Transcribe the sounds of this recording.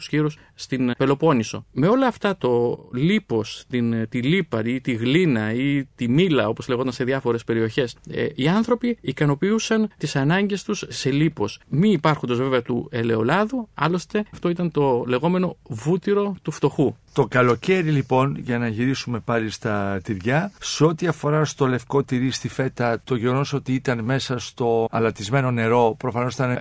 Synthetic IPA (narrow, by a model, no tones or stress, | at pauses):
u̥sçiɾusːt̪inpe̞lo̞po̞niso̞̰me̞o̞lɐːft̪ɐt̪o̞lipost̪int̪ilipɐit̪iɣlinɐit̪imilɐo̞pozle̞ɣot̪ɐnse̞ðjɐfo̞ɾe̞spe̞ɾio̞çe̞siɐnθɾo̞piːkɐno̞piusɐnt̪isɐnɐɲɟe̞st̪usːe̞lipo̞smiipɐɾxund̪oveveɐt̪ue̞le̞o̞lɐðuɐ̰lo̞st̪e̞ft̪o̞it̪ɐnt̪o̞le̞ɣo̞me̞no̞vut̪iɾo̞t̪uft̪o̞xut̪o̞kɐlo̞ce̞ɾilipo̞nʝɐnɐʝiɾisume̞pɐlist̪ɐt̪iɾʝɐseo̞t̪iɐfo̞ɾɐst̪o̞le̞fko̞t̪iɾist̪ife̞t̪ɐt̪o̞ʝeɣo̞noso̞t̪iit̪ɐnme̞sɐst̪o̞ɐlɐt̪izme̞no̞ne̞ɾo̞pɾo̞fɐno̞siɐnɐ